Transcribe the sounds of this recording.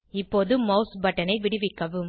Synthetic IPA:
ɪpːoːðɯmːɐʊsbɐʈːɐnɐɪʋɪɽɯʋɪkːɐʋɯm

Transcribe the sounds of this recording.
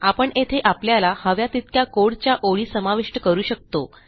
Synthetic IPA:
apəɳet̪ʰeʔapljalahəʋjat̪it̪kjakoɽt͡ɕjaʔoɭiːsəmaʋiʂʈəkəɾuːɕək̚t̪o

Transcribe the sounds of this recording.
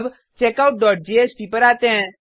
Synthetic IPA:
b | t͡ʃeːkawʊʈ̚ɖɔːʈ̚d͡ʒeeːspipəɾaːt̪eɛ̃

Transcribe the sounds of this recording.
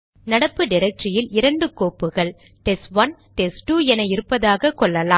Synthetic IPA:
nɐɽɐpːɯɖɪɾɐk̚ʈrɪjɪlɪɾɐɳɖɯkoːpːɯɣɐɭ | ʈɛsʋɐnʈɛsʈuːɛnɐɪɾɯpːɐðaːɣɐkɔɭːɐlaː

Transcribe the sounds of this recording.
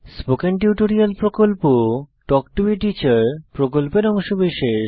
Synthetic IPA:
spokenʈjuʈoɾialpɾokolpoʈɔkʈubiʈit͡ɕaɾpɾokolpeɾɔŋʃobiʃe

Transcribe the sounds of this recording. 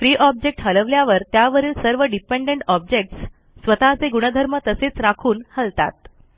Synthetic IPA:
fɾiːʔɔb̚d͡ʑek̚ʈɦələʋljaʋəɾt̪jaʋəɾiːlsəɾʋəɖipeɳɖeɳʈɔb̚d͡ʑek̚ʈs | sʋət̪at͡seɡuɽ̃əd̪ʱəɾmət̪əset͡sɾakʰuːnhəlt̪a̰t̪̚

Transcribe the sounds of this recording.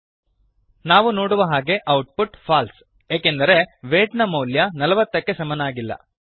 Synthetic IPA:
naːʋuno̞ːɽuʋɐɦaːɡe̞ʔɐwʈ̚puʈfʰaːls | jeːkend̪ɐɾe̞ʋeːʈnɐmɐwljɐnɐlɐʋɐt̪ːɐkːe̞sɐmɐnaːɡilːɐ̰

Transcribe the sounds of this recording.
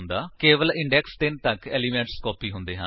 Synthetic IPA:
nd̪aːkeːʋəlɪ̃ɳɖɛːkst̪ɪnt̪əkɛːliːmɛ̃ːɳʈskɔːpiːɦʊnd̪eːɦə̃

